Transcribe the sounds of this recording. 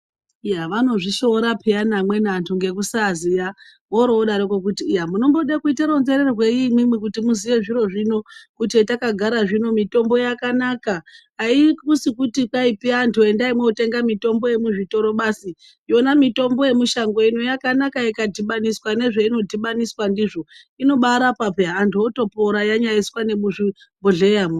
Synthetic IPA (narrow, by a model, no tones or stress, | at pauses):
jaʋano̞ʐiʃoɾapʰeanamwe̞nantʰuŋɡe̞k̬usaːzija | moɾoɗaɾokok̬utiːjamuno̞mbo̞ɗakuitaɾo̞nzeɾe̞rwe̞imimwikutimuziʋe̞ʐiɾo̞ʐino̞kut̬ietakaɡʱaɾaʐino̞mito̞mbo̞jakanakaɦaikusikutikaipiantʰuendaimwete̞ŋɡamito̞mbo̞je̞muʐito̞ɾo̞ɓasi | jo̞namito̞mbo̞je̞muʃaŋɡoino̞jakanakaikadʱiɓaniswane̞ʐeino̞dʱiɓaniswandiʐo̞ | ino̞ɓaɾapapeɦantʰuoto̞poɾajaɲaiswane̞ɓuʐi | boɮejamo